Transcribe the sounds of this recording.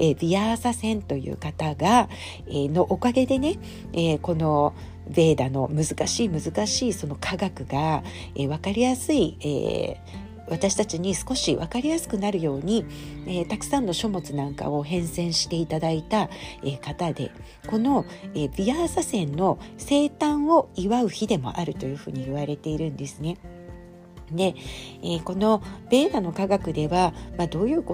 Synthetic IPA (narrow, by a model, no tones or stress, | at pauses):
eːbʲiasasẽ̞nt̪o̞jɯ̰ːkat̪aɡa | eːno̞ʔokaɡe̞d̪e̞ne̞ | eko̞no̞ | be̞ːd̪ano̞mɯ̟zɨkaɕiːmɯ̟zɨkaɕiːso̞no̞kʰaɡakɯ̟ɡa | eβ̞akaɾʲijasɨiḛː | βat̪aɕi̥t̪at͡ɕiɲ̟isɨ̥ko̞ɕiβakaɾʲijasɨ̥kɯ̟naɾɯ̟jo̞ːɲ̟iet̪akɯ̟̥sãnːo̞ɕo̞mo̞t͡sɨnãŋka̰o̞ɦẽ̞ɰ̃sẽ̞ɰ̃ɕi̥t̪e̞it̪ad̪ait̪aekat̪ad̪e̞̰ | ko̞no̞eːbʲiasasẽ̞nːo̞se̞ːt̪ãɰ̃o̞iβaɯ̟çid̪e̞mo̞̰ʔaɾɯ̟t̪o̞jɯ̟ɸɯ̟̰ːɲ̟iiβaɾe̞t̪e̞iɾɯ̟̃nd̪e̞sɨne̞ | d̪e̞eko̞no̞b̥e̞ːd̪ano̞kaɡakɯ̟d̪e̞βamad̪o̞ːjɯ̟ːko